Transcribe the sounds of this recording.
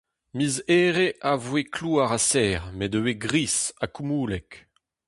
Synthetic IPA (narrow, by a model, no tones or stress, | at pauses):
mizɛːʁeʔavwekʰluaʁasɛːʁmɛdəweɡʁisakumuːlɛk